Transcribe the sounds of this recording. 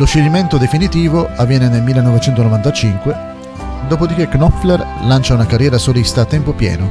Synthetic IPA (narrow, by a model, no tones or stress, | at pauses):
loʃːelːiment̪od̪efinit̪iːvoavːjɛːnenelmilːenɔvet͡ʃɛnt̪onovant̪at͡ʃiŋkwe | d̪oːpod̪ik̟eknɔflerlant͡ʃaunakarjɛːɾasolist̪aːt̪ːɛmpopjɛ̰ːno